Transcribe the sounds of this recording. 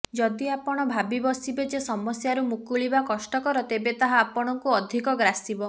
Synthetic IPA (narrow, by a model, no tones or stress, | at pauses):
d͡ʒɔd̪iapɔɽ̃ɔbʱabibɔsibed͡ʒesɔmɔsjaɾumukuɭibakɔsʈɔkɔɾɔt̪ebet̪aɦaːpɔɽ̃ɔŋkuɔd̪ʱikɔɡɾasibɔ